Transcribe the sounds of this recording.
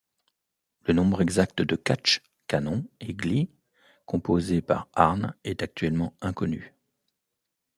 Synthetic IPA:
lənɔ̃bʁɛɡzakt̪əd̪əkat͡ʃ | kanɔ̃eɡli | kʰɔ̃pozepa̰ʁa̰ʁnɛt̪ak̚t̪ɥɛlmɑ̃ɛ̃kɔny

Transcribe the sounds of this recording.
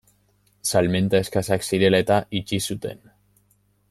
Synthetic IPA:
salme̞nt̪ae̞skasaksiɾe̞laet̪aʔit͡ʃisut̪e̞̰n

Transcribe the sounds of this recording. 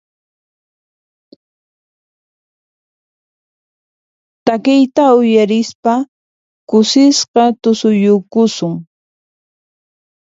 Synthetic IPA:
t̪akɪjt̪aʊjaɾɪspa | kʊsɪsqɑt̪ʊsʊjʊkʊsʊŋ

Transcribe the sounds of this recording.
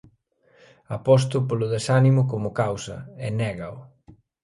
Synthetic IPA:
apɔs̬t̪ʊpolʊðesanimʊkomʊkawsɐ̰ɛnɛɣaʊ

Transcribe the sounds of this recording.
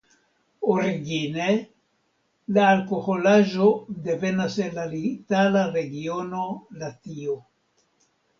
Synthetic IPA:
oɾiɡine | laːlkoholaʒod̪evenasenlalit̪alaɾeɡionolat̪io

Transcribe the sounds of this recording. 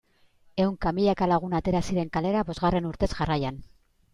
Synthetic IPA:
e̞wŋkamiʎakalaɣ̞unat̪e̞ɾasiɾe̞ŋkale̞ɾaβo̞zɣare̞nuɾt̪e̞zʝarajan

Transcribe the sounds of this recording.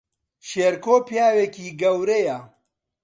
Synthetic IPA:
ʃeːɾkoːpjaːwekiːɡɐwɾejɐ

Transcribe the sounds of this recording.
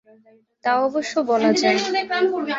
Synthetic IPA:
t̪aɔboʃːobɔlad͡ʑae

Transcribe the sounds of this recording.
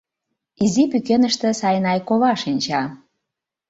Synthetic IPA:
izipykenəʃt̪ĕsɑjnɑjkoβɑʃinʲt͡ɕɑ

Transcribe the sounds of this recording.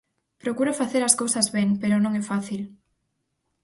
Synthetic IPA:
pɾokuɾofaθeɾɐskowsɐzβeŋpeɾonõŋɛfaθil

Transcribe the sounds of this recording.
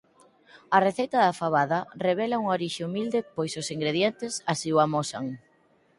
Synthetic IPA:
ɐreθejt̪ɐðafaβaðɐreβ̞ɛlauŋoɾiʃeumild̪ɪpojsʊsiŋɡɾeðjent̪ɪsasiwamɔsa̰ŋ

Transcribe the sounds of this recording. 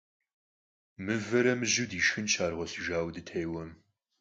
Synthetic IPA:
mɨvɐɾɐmɨʒuwdiːʃxɨnt͡ʃʰaːrʁʷɔɬɨʒaːwdɨtʰɐjwɐm

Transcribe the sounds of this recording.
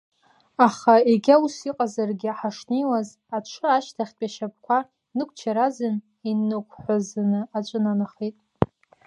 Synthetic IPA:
aχaeɡʲausiqʼazarɡʲɪaħaʂnejwaz | aʈ͡ʂʷʰɨaʃtʰaχʲpʼaʃap̚ʰkʷʰa | nɨkʷʰʼt͡ʃʰaɾazɨn | inɨkʷʰʼħʷazanɨat͡ʃʷʼɨnanɨχetʼ

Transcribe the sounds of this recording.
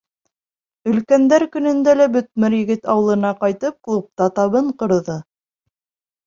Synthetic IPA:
ɵ̆lkænd̪æɾkɵ̆nɵ̆nd̪ælæbɵ̆t̪̚mɘɾjɘ̆ɡɘt̪ɑwɤ̆lˠɤ̆nɑqɑjt̪ɤp̚klˠup̚t̪ɑt̪ɑβɤɴqŏɾðɤ

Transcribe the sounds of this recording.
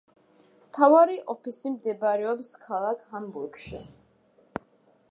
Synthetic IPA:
mt̪ʰavaɾiʔɔpʰisimd̪ɛbaɾɛɔpskʰalˠakʰhambuɾɡʃḭ

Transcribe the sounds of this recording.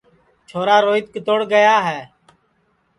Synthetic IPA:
t͡ʃʰoːɾaːɾoːɪt̪̚kət̪oːɽɡəjaːɦɛː

